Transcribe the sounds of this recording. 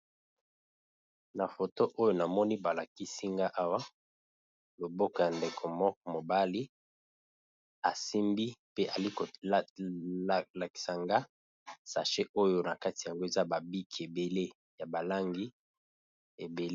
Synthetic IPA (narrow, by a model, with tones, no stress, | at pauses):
na˨fo˨to˦ʔo˦jo˦na˨mɔ˦ni˦ba˨la˨ki˦si˦ŋɡa˦ʔa˦wa˦ | lo˨bo˦kɔ˨ja˨nde˨kʰo˨mɔ˦k̚ɔ˨mo˨ba˦li˦ | a˨si˦mbi˦pe˦ʔa˨li˦ko˨˦˨ | la˨ki̥˨sa˨ŋɡa˦ | sa̰˨ʃe˦ʔo˦jo˦na˨ka˦ti˨a˨ŋɡo˦e˨za˦ba˨bi˦kʰi˨e˨be˨le˦ | ja˨ba˨la˦ŋɡi˦ | e˨be˨l